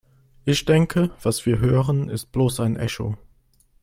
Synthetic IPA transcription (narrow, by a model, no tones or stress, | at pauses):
ʔɪçd̥ɛŋkʰəv̥asv̥iːɐɦøːʁənɪst̚b̥loːsaɪnʔɛ̰ço̰